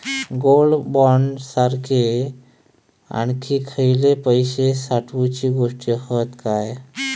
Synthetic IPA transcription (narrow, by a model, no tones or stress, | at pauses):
ɡolbɔnsaɾkʰe | a̰ɳkʰikʰəjlepəjsesaʈʰut͡ʃiɡoʂʈijəhət̪kaj